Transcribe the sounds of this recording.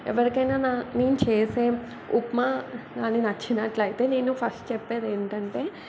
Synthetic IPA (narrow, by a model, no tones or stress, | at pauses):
ɛ̰ʋɐɾikɐjnaːnaːneːnut͡ʃeːse̞ː | upmaɡaːninɐt͡ʃːinaʈlɐjit̪e̞ːneːnupʰɐsʈt͡ʃɛpːeːd̪eːɳʈɐɳʈe̞ː